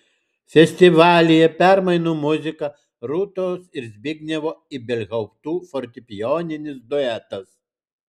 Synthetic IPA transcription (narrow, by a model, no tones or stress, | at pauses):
fʲɛsʲt̪ʲɪʋɑːlʲɪjɛpʲæɾmɐɪnuːmʊzʲɪkɐ | ɾut̪oːsɪɾzʲbʲɪɡʲnʲɛʋoːɪbʲɛlʲɣɐʊpt̪uːfɔɾʲt̪ʲɪpʲɪjɔːnʲɪnʲɪsd̪ɔɛt̪ɐs